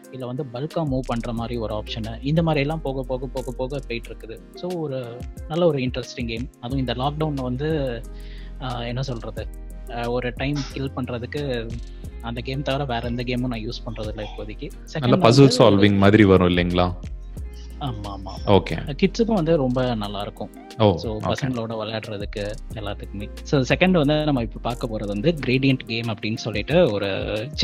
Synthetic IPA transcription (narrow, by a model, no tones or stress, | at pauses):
ɪðlːɐʋɐnd̪ɯbɐlkãːmuːʋpɐɳːɾɐmaːd̪ɾiɔɾɯaːpʂɐnɐɪnd̪ɐmaːd̪ɾɪɛlːãːpoːɣɐpːoːɣɐpoːɣɐpːoːɣɐpeːʈːɪɾɯkːɯðɯ | soːɔɾɯnɐlːɐɔɾɯɪɳʈɾɛsʈɪŋɡeːmɐðʊ̃ɪnd̪ɐlaːk̚ɖɐʊnʋɐnd̪ɯ | ɛnːɐsɔlɾɐðɯ | ɔɾɯʈɐɪmkɪlpɐɳːɾɐðɯkːɯ | ɐnd̪ɐɡeːmt̪ɐʋɐɾɐʋeːɾɐnd̪ɐɡeːmɐ̃nãːjuːspɐɳːɾɐðɯlːɐɪpːoɐðɪkːɯ | sɛknɐlːaɳɖpɐs̬ɯsaːlʋɪŋɡɐmaːðɪɾiʋɐɾʊ̃ɪlːɛŋɡɐɭãː | aːmamaːoːkḛkɪʈsɯpːʊ̃ʋɐnd̪ɯɾɔmbɐnɐlːaːɪɾɯkːʊ̃ | oːsoːo̰ːpɐskɐŋɡɐɭoːɽɐʋɐljaːɽɾɐðɯkːɯɛlːaːt̪ːɯkːɯme | soːsɛkɐɳɖʋɐnd̪ɯnɐmːɐɪpːɐpaːɾkɐpoːɾɐðɯʋɐnd̪ɯɡɪɾeːɖɪjɐɳʈɡeːmɐpːɐɽɪnːɯsɔlːɪʈːɯɔɾɯ̰t͡ʃ